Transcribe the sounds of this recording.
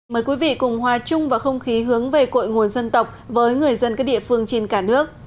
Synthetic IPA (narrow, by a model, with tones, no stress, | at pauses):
məː˨˦jkwi˨˦vḭ˧˨kʊ˨˩ŋ͡mhwaː˨˩t͡ɕʊ˧ŋ͡mvaː˨˩xə˧wŋ͡mxi˨˦ɦɨ˨˦əŋve˨˩ko̰˧˨jŋu˨˩ənsə˧nt̪ə˨˩wk͡p̚vəː˨˦jŋɨ˨˩əjzə˧nkaː˦˥k̚ɗḭ˧˨əfɨ˧əŋt͡ɕe˧nkaː˧˩nɨ˦˥ək̚